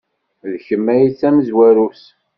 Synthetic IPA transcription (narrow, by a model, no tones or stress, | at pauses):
ðçəmːæjiθːæməzwæɾus